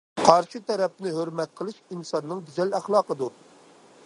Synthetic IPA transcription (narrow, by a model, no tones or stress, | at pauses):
qʰɑɾʃit̪ʰɛɾɛp̚nɪɦøɾmɛt̪̚qʰəlˠɨʃinsɑnːɨŋd̪yzɛlæχlˠɑːqəd̪u